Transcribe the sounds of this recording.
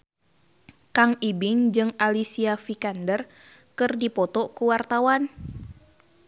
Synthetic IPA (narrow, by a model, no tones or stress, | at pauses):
kaŋibiŋd͡ʒɨŋalisiafikandər | kɨrdipɔt̪ɔkuwart̪awan